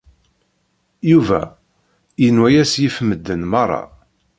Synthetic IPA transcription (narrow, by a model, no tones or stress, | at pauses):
juvæ̰ | jənwæjæsjifməd̪ːənmɑrˤːɑ̰